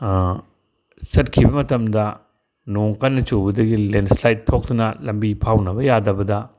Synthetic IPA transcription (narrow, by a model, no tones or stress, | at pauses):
sɐt̚kʰibɐmɐtɐmdɐ | noŋkɐnːɐt͡ʃobɐdɐɡilenslajt̚tʰːok̚tunɐlɐmbipʰawnɐbɐjadɐbɐdɐ